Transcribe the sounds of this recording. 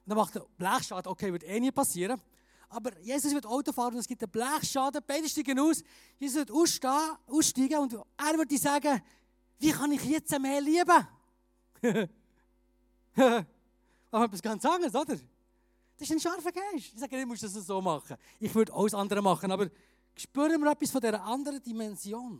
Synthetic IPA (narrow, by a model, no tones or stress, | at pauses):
ʊnd̪ɑmɑχtəb̥læːχʃɑːdəokʰeɪvʏɾtɛːniəpɑsiːɾə | ʔɑbəɾjeːsʊs̬vʏtɔʊtofɑːɾənʊnd̪ɛsɡ̥ɪt̚əb̥laːχʃɑːdəb̥ɛɪdəʃtiːɡənuːs | jeːsʊs̬ʋɪtu | uːsʃtiːɡəʊndæːɾvʏɾt̚diːsɑːɡə | viːχɑnɪχjɛt͡səmeːliəbə | h | ɑɛp̬isɡ̥ɑnt͡sɑŋəɾsodəɾ | d̥ɑɪʃæɪnʃɑɾfəɡæɪʃɪχsæːɡənɪmuəʃd̥ɑs̬əsoːmɑχə | ɪχvʏdo̰ʊsɑnd̪əɾəmɑχənɑbəɾ | kʃpøːɾəmɪːɾœpːisfɔdɛɾəʔɑndəɾədimɛnzjoːn